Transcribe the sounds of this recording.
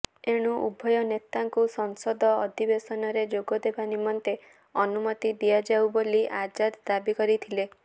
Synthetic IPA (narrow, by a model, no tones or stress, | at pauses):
eɽ̃uʔubʱɔjɔnet̪aŋkusɔŋsɔd̪ʱɔːd̪ʱibesɔnɔɾed͡ʒoɡɔd̪ebanimɔnt̪e | ɔnumɔt̪id̪ijad͡ʒawboliʔad͡ʒad̪d̪abikɔɾit̪ʰile